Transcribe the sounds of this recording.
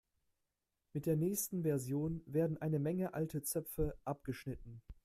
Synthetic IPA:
mɪt̚d̥eːɐnɛːçstn̩vɛɐzjoːnveːɐdn̩ʔaɪnəmɛŋəʔaltət͡sœpp͡fəʔap̚ɡ̥əʃnɪtn̩

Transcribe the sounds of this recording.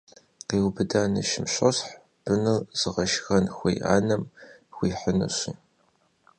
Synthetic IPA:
qeːwbɨdaːnɨ̰ʃɪmɕɐɕħ | b̥ɨnɨlz̥ɨʁɐʃxɐnxʷejʔa̰ːnɐmxʷiːħənɨ̰ɕiː

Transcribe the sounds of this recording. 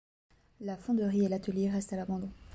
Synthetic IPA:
lafɔ̃d̪əʁielat̪əljeʁɛst̪alabɑ̃d̪ɔ̃

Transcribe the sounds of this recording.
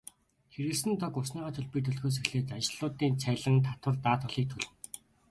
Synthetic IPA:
xeɾɘ̆sɘ̆nt̪ʰɔkʊsniːʁaːt̪ʰɵɮpiːt̪ʰɵɮt̪xoːs̬ĕxɮeːt̪at͡ɕɪ̆ɮ̥ʊːt̪iːnt͡sʰæɮə̆ŋt̪ʰat̪wə̆rt̪aːt̪ɔ̆ɮiːk̚t̪ʰɵɮɘ̆w

